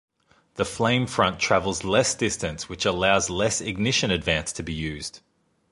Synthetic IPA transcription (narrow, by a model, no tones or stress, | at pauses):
ðəflẽɪ̃ɱfɹʌ̃ntʰɹ̥ævəl̩ˠzlɛsd̥ɪstɨ̃nswɨt͡ʃəlaʊzlɛsɪɡ̚nɪʃɨ̃nɨdvæ̃nstʰəbijʉːz̥d̥